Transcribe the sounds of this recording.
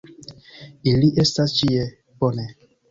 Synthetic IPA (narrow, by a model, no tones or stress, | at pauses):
iliʔestast͡ʃie | bone